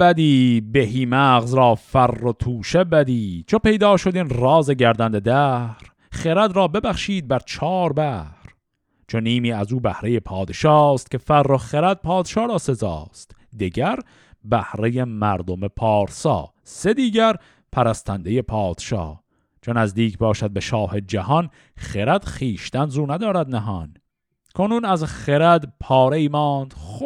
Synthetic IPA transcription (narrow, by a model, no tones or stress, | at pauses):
bæd̪iːbehiːmæːɣzɾɒːfærːot̪ʰuːʃebæd̪iːt͡ʃʰope̞jd̪ɒːʃo̞d̪iːnrɒːzeɟæɾd̪ænd̪e̞d̪æːhɾ | χeɾæd̪ɾɒːbe̞bæχʃiːd̪̚bæɾt͡ʃʰɒːɾbæhɾ | t͡ʃʰoniːmiːæzuːbæhɾe̞je̞pʰɒːd̪e̞ʃɒːst̪̚kʲʰe̞færːoχeɾæd̪̚pʰɒːd̪ʃɑːɾɒːse̞zɒ̰ːst̪d̪iɟæɾ | bæhɾejemæɾd̪omepʰɒːɾsɒ̰ː | se̞d̪iːɟæɾ | pʰæɾæst̪ʰænd̪eje̞pʰɒːd̪̥ʃɒ̰ː | t͡ʃʰonæzd̪iːkʰbɒːʃæd̪̚be̞ʃɒːhe̞d͡ʒæhɒn | χeɾæd̪̥χiːʃt̪ænzuːnæd̪ɒːɾæd̪næɦɒn | kʰonuːnæzχeɾæd̪pʰɒːɾeiːmɒːnd̪̥